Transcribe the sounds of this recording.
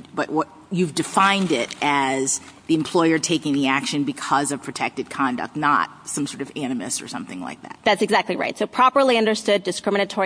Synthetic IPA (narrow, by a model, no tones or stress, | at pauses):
b̥ʌʔwʌt | jʉvdɨfãɪ̃ndɪɾʔɨzðiɨ̃mpʰl̥ɔɪə˞tʰeɪkɪ̃ŋðiækʃɨ̃nbɨkʰʌzʌv̥pʰɹ̥ɨtʰɛk̚tɨd̚kʰɑ̃ndɨ̰k̚tⁿnə̰t̚sʌ̃msɔɹɾʌvæ̃nɨmɨ̰stsə̰˞sʌ̰̃mθɪ̰̃ŋla̰ɪk̚ðæ̰t̚ðætsɨɡzæk̚tˡliɹa̰ɪtsoʊpʰɹ̥ɑpə˞lˠiʌ̃ndə˞stʊdɨskɹɪ̃mɨñɨtʰɔɹ